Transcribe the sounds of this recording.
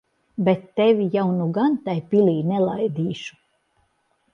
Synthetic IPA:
bet̪ːɛvʲijawnuɡant̪ajpilʲiːnɛlˠajd̪iːʃu̥

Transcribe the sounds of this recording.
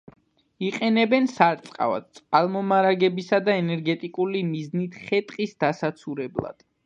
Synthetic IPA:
iqʼɛnɛbɛnsaɾt̪sʼqʼa̰va̰d̪̥̚t̪sʼqʼalˠmɔmaɾaɡɛbisad̪aɛnɛɾɡɛt̪ʼikʼulimiznit̪ʰχɛt̪ʼqʼisd̪̥asat̪sʰuɾɛblˠa̰d̪̥

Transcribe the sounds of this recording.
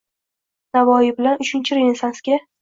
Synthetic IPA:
navɒjɪbɪlanʊt͡ʃɪnt͡ʃʰɪɾenʲesanskʲa

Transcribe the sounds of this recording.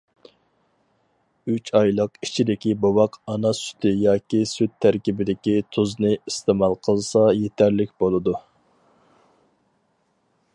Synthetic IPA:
yt͡ʃʰɑjlˠəqit͡ʃʰid̪ɪkʲibowɑqʰɑnɑsy̥t̪ʰɪjɑːkʲisyt̪ʰːæɾkʲibɪd̪ɪkʲit̪ʰuznɨist̪ɨmɑlˠqʰəlˠsɑjet̪ʰæɾlɪk̚ʲbolˠɨd̪u

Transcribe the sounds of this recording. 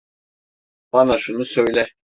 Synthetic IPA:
b̥ɑnaʃunusøjlʲɛ

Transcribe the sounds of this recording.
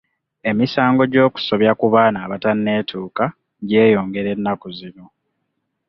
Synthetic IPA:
e̞misaːŋɡo̞ɟo̞ːku̥so̞βjakuβaːnaːβatanːe̞ːtʰuːka | ɟe̞ːjo̞ːŋɡe̞ɾe̞nːakuzino̞

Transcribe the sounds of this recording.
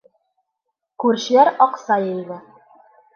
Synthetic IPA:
kʉɾɕ̆jæɾɒqsɑjɤ̆jðɘ

